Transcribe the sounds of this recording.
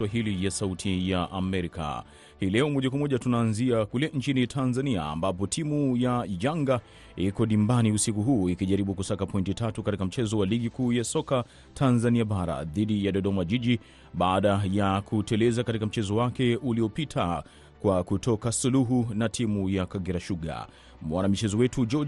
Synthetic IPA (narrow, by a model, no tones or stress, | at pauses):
waɦilijasautʰijaʔamɛɾika̰ | hilɛɔmɔʄakwamɔʄatunaːnziakulɛn̩t͡ʃinitʰanzania̰ːmbapɔtʰimujaʄaŋɡa | ikɔnimbaniusikuɦuːikiʄaɾiɓukusakapɔintitatukatikam̩t͡ʃɛzɔwaliɠikuːjasɔka | tʰanzaniaɓaɾa̰ðiɗijaɗɔɗɔmaʄiʄi | ɓaːɗajakʰutɛlɛzakatikam̩t͡ʃɛzɔwakɛuliɔpitʰa | kwakutʰɔkasuluɦunatʰimujakaɡɛɾaʃuɠa̰ | mwanamit͡ʃɛzɔwɛtʰud͡ʒɔ